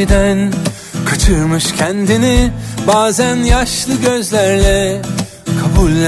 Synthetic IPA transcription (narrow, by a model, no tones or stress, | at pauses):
d̪æn | kʰat͡ʃʰɯɾmɯʃcʰɛnd̪inibaːzænjaʃlˠɯɟø̞zlʲæɾlʲɛ | kʰabulʲː